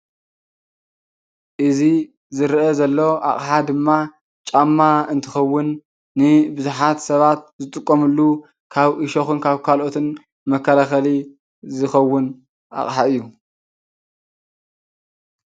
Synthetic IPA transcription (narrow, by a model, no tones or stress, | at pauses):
ʔɨzi | zɨɾʔɐzɐlːoʔa̰χʼħad̪ɨmːa | t͡ʃʼamːaɨnt̪ʰɨxɐwːʊnː | ɨbɨzuħat̪sɐβat̪̚zɨt̪ʼɨkʼːomɨlːu | kʰaβʔɨʃoxɨnkʰaβkʰalo̞t̪ʰɨn | mɐkʰːɐlaxɐli | zɨxɐwːʊn | ʔa̰χʼħaɨjːu